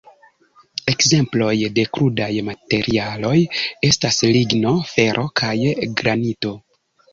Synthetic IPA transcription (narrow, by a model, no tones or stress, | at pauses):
e̞kze̞mplo̞jde̞kɾudajmate̞ɾialo̞je̞stasliɡno̞fe̞ɾʔo̞kʰajɡɾanito̞